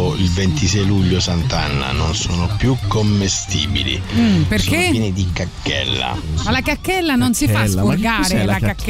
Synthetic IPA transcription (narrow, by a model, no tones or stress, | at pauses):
ilvent̪isɛjluʎːosant̪anːa̰nonsoːnopjukːomːest̪iːbḭlḭperkeɛnid̪ikakːɛ̰lːa̰alakakːɛlːanonsifaskurɡaːɾelaakː